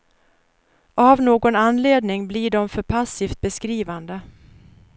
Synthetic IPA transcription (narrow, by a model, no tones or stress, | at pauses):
avnoːɡɔnanːleːd̪nɪŋbliɖɔmfœɾpʰasːiːft̪̚bɛskɾiːvand̪ə